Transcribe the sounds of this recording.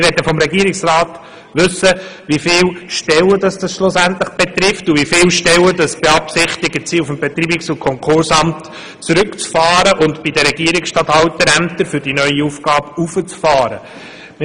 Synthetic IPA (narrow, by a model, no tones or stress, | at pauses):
ɪɾʋɛdəfɔmɾɛɡiəɾɪksraːt | ʋʉsːəʋifɪːlʃtɛwədɑsd̥ɑsʃlʊsæntləχb̥et̪ɾɪftuʋifɪlʃtɛlwədɑsb̥eɑpsɪχtɪɡət͡siːufəmbɛt̪ɾiːbɪksʊnkʰɔŋkʰʊɾsɑmt | t͡suɾɵkt͡sfɑːɾəʔʊntb̥idəɾɛɡ̥iːəɾɪksʃtɑthɑwtːəɾæmtəɾfʏd̥inœʏiufɡ̥ɑːbufət͡sfɑːɾə